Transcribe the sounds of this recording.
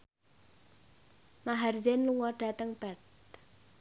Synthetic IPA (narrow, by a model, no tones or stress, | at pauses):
maɦarzenluŋɔɖ̥a̤t̪əŋb̥ɛt̪̚